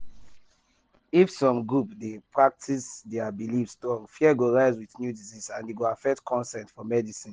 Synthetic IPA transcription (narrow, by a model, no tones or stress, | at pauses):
ifsɔ̃mɡɹupdepʰɹak̚tʰisdɛabilifsdɔ̃ŋfiɛɡoɹaɪzwiðnjudizisãndeɡoafɛk̚tkʰɔ̃nsɛ̃ntfɔmɛdisĩn